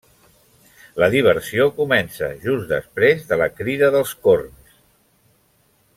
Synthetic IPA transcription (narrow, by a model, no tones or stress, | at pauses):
ləðiβ̞əɾsiokumɛnsə̰ʒuzd̪ə̰spɾezðələkɾiðəðəlˠskorns